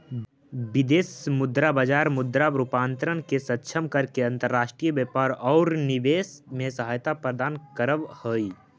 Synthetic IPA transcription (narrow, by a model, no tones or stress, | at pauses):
bɪd̪eːsmʊd̪ɾabad͡ʒaːɾmʊd̪ɾabɾʊpãːnt̪ɾənkesət̪ːʃʰəmkəɾkeɐ̃nt̪əɾːaːʃʈɾijəbjəpaːɾɔːɾnɪʋeːsmẽsəɦajt̪apɾəd̪aːnkəɾəʋhoːi